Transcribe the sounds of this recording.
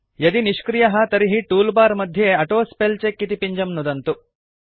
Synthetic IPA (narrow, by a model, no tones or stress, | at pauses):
jɐd̪iniʃkɾijɐɦɐt̪ɐɾiɦiʈuːlbaːɾmɐd̪ʱjɐɐʈoːspelt͡ʃekːit̪ipiɲd͡ʒɐmnud̪ɐnt̪u